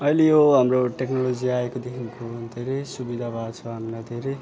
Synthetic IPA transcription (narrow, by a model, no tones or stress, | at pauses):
ʌjlejoɦamroʈeknolod͡ziaekod̪ekʰinkod̪ʱeɾejsubid̪ʱabʱat͡sʰʌɦamlajd̪ʱeɾej